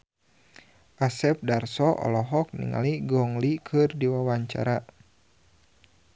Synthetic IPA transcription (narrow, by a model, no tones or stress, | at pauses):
ʔasɛp̚darsɔʔɔ̰lɔɦɔk̚nḭŋa̰liɡɔŋlikʰɨrdiwawaɲt͡ʃa̰ɾa